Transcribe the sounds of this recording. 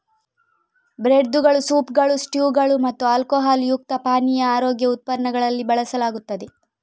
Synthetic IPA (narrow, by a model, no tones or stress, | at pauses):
bɾeɖd̪uɡɐɭusuːpɡɐɭusʈjuːɡɐɭumɐt̪ːualkoːɦaːljuk̚t̪ɐpaːnijɐaːɾoːɡjɐut̪̚pɐɾnɐɡɐɭɐlːibɐɭɐsɐlaːɡut̪ːɐd̪e